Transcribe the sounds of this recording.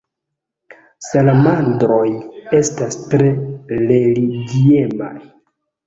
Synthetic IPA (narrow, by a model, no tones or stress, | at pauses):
salamandɾo̞je̞stastɾe̞ɾe̞liɡiema̰j